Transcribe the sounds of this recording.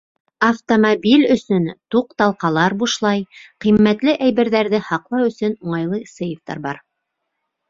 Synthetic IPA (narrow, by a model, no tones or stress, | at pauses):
ɐft̪omobʲilʲɵ̆sɵnt̪uq̚t̪ɑlˠqɑlˠɑɾbuʃlˠɑjqimːæt̪lɘʔæjbɘ̆ɾðæɾðɘhɑqlˠɑwɵ̆sɵnuɴɑjlˠɤsɤjoft̪ɑ̰ɾbɑɾ